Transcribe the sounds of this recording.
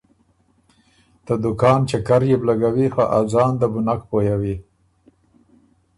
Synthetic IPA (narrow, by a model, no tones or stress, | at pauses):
t̪əd̪ʊkɑːnt͡ʃekaɾjeblaɡawixaʔazɑːnd̪əbʊnakpojawi